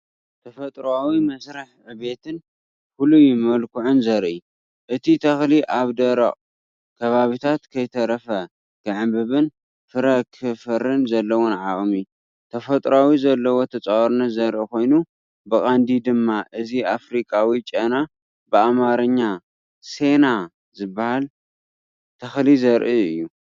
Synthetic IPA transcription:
t̪ʰɐfɐt̪ʼɾawimɐsɾɨħʕɨβe̞t̪ʰɨn | kulujɪmɐlkʰuʕʊnzɐɾʔi | ʔɨt̪ʰit̪ʰɐxliʔaβd̪ɐɾɐ̰χʼ | kʰɐβaβit̪ʰat̪kʰɐjt̪ʰɐɾɐfɐ | k̪ʰɨʕɨmbɨβɨn | fɨɾɐkʰɨfɨɾɨnzɐlːɐwonʕaʔʼmi | t̪ʰɐfɐt̪ʼɾawizɐlːɐwot̪ʰɐt͡sʼawɔɾnɐt̪zɐɾʔɨko̞jnu | bɨχʼand̪id̪ɨmːaʔɨziafɾikʼawit͡ʃʼɐna | bɨamaɾɐɲːa | se̞na | zɨbːahal | t̪ʰɐxlizɐɾʔiɨjːu

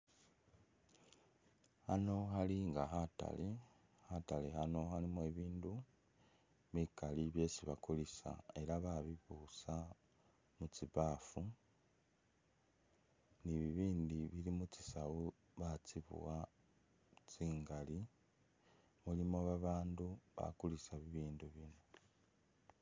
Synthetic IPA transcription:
hano̞xaliŋɡaɦata̰le | hatalehano̞xalimeβiːndu | βikaliβje̞siβakolisa̰e̞ɾaβaβiβusa | mut͡siβaːfu | niβiβiːndiβilimut͡sisawu | βat͡siβṵwa | t͡siːŋɡali | mulimo̞βaβaːnduβa̰kulisaβiβiːnduβino

